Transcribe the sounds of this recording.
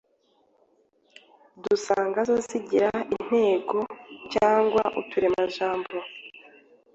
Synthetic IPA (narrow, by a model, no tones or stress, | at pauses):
dusaːŋɡazoziɟiɾain̥he̞ːɡo̞caːŋɡwaʔṵtuɾemaʒaːmbo